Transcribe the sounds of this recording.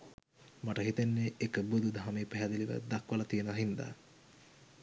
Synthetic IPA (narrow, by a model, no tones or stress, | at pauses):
maʈəɦit̪enːeekəbud̪ud̪ʱaɦameːpɛɦæd̪eliʋə̰d̪akʋɐlɐt̪ijənaɦind̪a̰ː